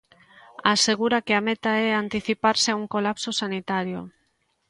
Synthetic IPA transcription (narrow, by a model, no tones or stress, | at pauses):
aseɣuɾakɪamɛt̪aɛant̪iθipaɾsɪauŋkolapsosanit̪aɾjo̰